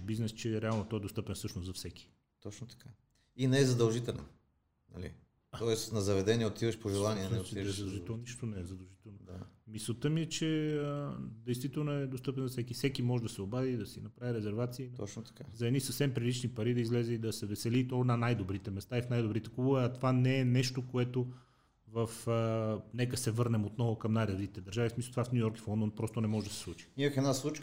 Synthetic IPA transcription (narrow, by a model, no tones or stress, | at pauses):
biznɛst͡ʃɛɾɛalˠnot̪ɔɛd̪ost̪ɤpɛnsɤʃnosɐfsɛkʲi̥ | t̪ɔt͡ʃnot̪ɐ̥kʰa | inɛɛzɐd̪ɐlˠʒit̪ɛlɛ̰n | nɐ̰lḭ | t̪ɔɛsnɐzɐvɛd̪ɛniɛot̪ivɐʃpoʒɛlˠaniɛnsɛzɐd̪ɐlˠʒiɛlˠnniʃt̪onɛzɐd̪ɐlˠʒit̪ɛlˠnod̪a̰misot̪ɤmiɛt͡ʃɛəd̪ɛjst̪vit̪ɛlˠnoɛd̪ost̪ɤpɛnzɐfsɛkifsɛkimɔʒɛd̪ɐsɛobaðiːd̪ɐsinɐpɾaviɾɛzɛɾvat̪siəint̪ɔt͡ʃnot̪ɐ̥kazɐɛd̪nisəfsɛmpɾilit͡ʃnipɐɾid̪ɐizlɛzɛid̪ɐsɛvɛsɛlit̪ɔnɐnajd̪obɾit̪ɛmɛst̪aifnajd̪obɾit̪ɛkubuvɐt̪ovanɛːnɛʃt̪okoɛt̪o | vəfənɛkəsɛvɤɾnɛmot̪nɔvʊkɐmnajɾɐd̪it̪i̥t̪ɛd̪ɐɾʒavismislˠot̪ovafnʲujɔɾki̥flˠɔnd̪onpɾɔst̪onɛmɔʒɛd̪ɐsɛ̥slˠut͡ʃi̥iməxɛd̪naslˠut͡ʃ